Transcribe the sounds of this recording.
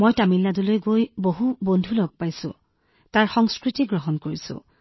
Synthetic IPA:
mojtamilːadulojɡojboɦubondʱulɔɡ̚pajsʊ̰̃ | taɹxɔŋskɹitiɡɹɔɦɔnkoɹisʊ̰̃

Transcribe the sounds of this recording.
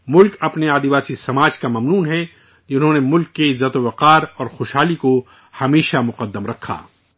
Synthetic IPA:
mʊlkɐpneaːd̪iʋaːsisɐmaːd͡ʒkamɐmnuːnɦɛ | d͡ʒɪnɦõːnemʊlkːeɪzɐt̪oʋɐqaːɾɔːɾxoːʃɦaːliko | hɐmeːʃamʊqəd̪ːəmɾɐkʰːa̰ː

